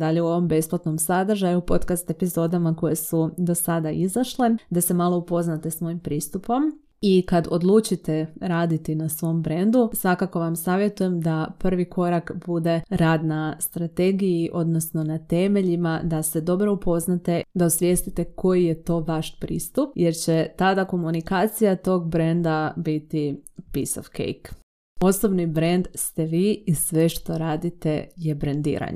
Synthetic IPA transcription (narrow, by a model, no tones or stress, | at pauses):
d̪aʎeuo̞ʋo̞mbe̞splˠat̪no̞msad̪r̩ʒajupo̞t̪kast̪e̞pizo̞d̪amako̞jesud̪o̞sad̪aʔizaʃle̞d̪ase̞malˠo̞upo̞znat̪e̞smo̞impɾiːst̪upo̞m | ikad̪od̪lˠut͡ʃit̪e̞ɾaːd̪it̪inasʋo̞mbɾe̞nd̪usʋakako̞ʋamsaːʋjet̪uje̞md̪apr̩ʋikʰo̞ɾakbud̪e̞ɾaːd̪nast̪ɾat̪e̞ɡijiʔo̞d̪no̞sno̞nat̪e̞me̞ʎimad̪ase̞d̪o̞bɾo̞upʰo̞znat̪e̞d̪ausʋje̞st̪it̪e̞ko̞jije̞t̪o̞ʋaʃpɾḭːst̪up̚je̞ɾt͡ɕet̪ad̪ako̞munikaːt̪sijat̪o̞ɡbɾe̞nd̪abit̪ipiso̰fkḛjk | o̞sobnibɾe̞nd̪st̪e̞ʋiːisʋe̞ʃt̪o̞ɾaːd̪it̪e̞je̞bɾend̪ḭːɾa̰ɲḛ